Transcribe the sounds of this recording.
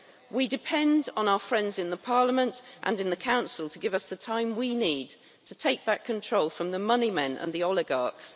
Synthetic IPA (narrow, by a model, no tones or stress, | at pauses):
widɪpʰɛ̃ndn̩aʊəfɹɛ̃ndzɪ̃nðəpʰɑːləmə̃ntʔə̰̃nɪ̃nðəkʰãʊ̃nsəl̩ˠtʰəɡɪvʌsðətʰãɪ̃mwiniːd | tʰətʰeɪk̚b̥akʰə̃ntʰɹ̥oʊlˠfɹə̃mðəmʌnimɛ̃nʔə̰̃nðiɒlɪɡɑˑks